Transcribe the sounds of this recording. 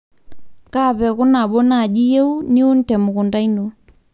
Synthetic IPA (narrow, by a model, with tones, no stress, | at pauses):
ka˦˨pɛ˨ku˦na˨ɓɔ˦na˦˨d͡ʒi˦je˦u˦nɪ˦u˦n̩˦tɛ˨mu˨ku˨nda˦i˦no˨